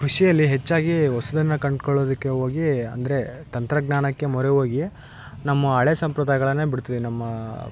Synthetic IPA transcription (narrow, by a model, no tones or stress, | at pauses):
kɾuʂijɐlːiɦet͡ʃːaːɡiɦɔsɐd̪ɐnːɐkɐɳɖkɔɭːoːd̪ɐkːe̞ɦo̞ːɡiɐ̰nd̪ɐɾe̞t̪ɐnt̪ɾɐɡnaːɳɐkːemɔɾeɦoːɡi | nɐmːɐɐɭesɐmpɾɐd̪ʱaːjɡɐɭɐnːeːbiɽut̪id̪enɐmːɐ